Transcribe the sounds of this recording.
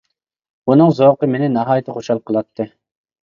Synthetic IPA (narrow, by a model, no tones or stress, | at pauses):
unɨŋzoqəmenɪnɑɦɑːjɪt̪ʰəχoʃɑlˠqʰəlˠɑt̪ʰːɨ